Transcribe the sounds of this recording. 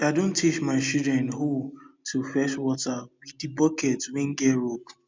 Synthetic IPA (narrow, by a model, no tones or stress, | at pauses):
adõntʰːit͡ʃmaɪt͡ʃudɹɛ̃ntɦotʰufɛʃwɔtabidibɔkɛtwɛ̃nɡɛɾop